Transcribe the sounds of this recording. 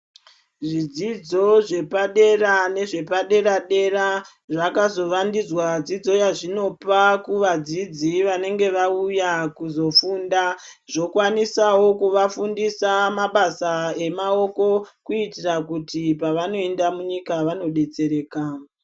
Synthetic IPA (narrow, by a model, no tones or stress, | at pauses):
ʐid͡zid͡zo̞ʐe̞paɗe̞rane̞ʐe̞paɗe̞ɾaɗe̞ɾa | ʐakazo̞ʋandid͡zwad͡zid͡zo̞jaʐino̞pakuʋad͡zid͡ziʋane̞ŋɡe̞ʋaujakuzo̞fuːnda | ʐo̞kwanisawo̞kuʋafundisamaɓasae̞mao̞ko̞kuitirakutipaʋano̞e̞ndamuɲikaʋano̞ɗe̞t͡se̞ɾe̞ːka